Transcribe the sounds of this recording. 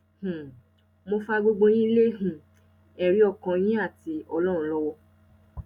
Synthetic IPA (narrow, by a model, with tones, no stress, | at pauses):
h̩˨ | mo˧fa˧ɡ͡bo˧ɡ͡bo˧j̃ĩ˦i˦le˦ɦĩ˨ | ɛ˨ɾi˨˦ɔ˦˨kã˧j̃ĩ˦a˦˨ti˨˧˦ɔ˧lɔ˦ɾ̃ũ˨˧˦lɔ˦wɔ˧